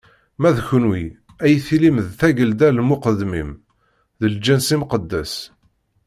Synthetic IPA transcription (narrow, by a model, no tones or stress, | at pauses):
mæðçənwi | æjθilimðθæʝəld̪ælmʊqəd̪ːmim | ðəld͡ʒənsimqəd̪ːæs